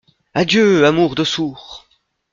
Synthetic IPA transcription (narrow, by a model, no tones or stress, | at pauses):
ad̪jøamuʁd̪əsuːʁ